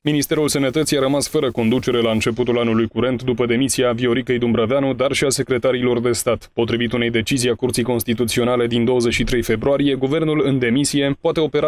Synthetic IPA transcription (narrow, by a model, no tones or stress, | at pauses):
minist̪e̞ɾulsənət̪ət̪sijaɾəmasfəɾəko̞nd̪ut͡ʃe̞ɾe̞laɨnt͡ʃe̞put̪ulanulujkuɾe̞nt̪d̪upəd̪e̞misiavio̞ɾikejd̪umbɾaveanud̪arʃiase̞kɾe̞t̪aɾilo̞rd̪e̞st̪at̪po̞t̪ɾivit̪une̞jd̪e̞t͡ʃizijakurt̪sijko̞nst̪it̪ut̪sio̞nale̞d̪ind̪o̞wəze̞t͡ʃʃit̪ɾe̞jfe̞bɾuaɾije̞ɡuve̞rnulɨnd̪e̞misije̞poat̪e̞o̞pe̞ɾa